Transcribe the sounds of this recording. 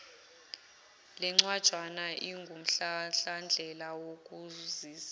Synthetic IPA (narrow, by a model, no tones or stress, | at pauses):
lɛŋ͡ǀwad̥ʒ̥ʱwanaʔiŋɡʱum̩ɬaɬand͡ɮʱɛlawokʼuziːza